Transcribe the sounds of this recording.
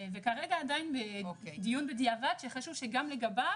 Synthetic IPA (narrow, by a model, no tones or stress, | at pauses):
vekaʁeɡaːdajinbeod̪ijunbediavat̪ʃeχaʃuvʃeɡamleɡaba